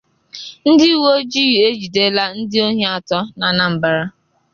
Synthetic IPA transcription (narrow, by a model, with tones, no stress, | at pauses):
n̩˦di˦wo˦d͡ʒi˦je˦d͡ʒi˨de˦la˦n̩˦dɪ˦o˦ɲe˦a˨tɔ˦na˨na˨m̩˨ba˦ɾa˦